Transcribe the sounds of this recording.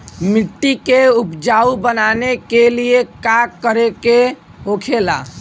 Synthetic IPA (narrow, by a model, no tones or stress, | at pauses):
mɪʈːikeupd͡ʒaːubənanekeliekakːəɾeke | ɦokʰela̰ː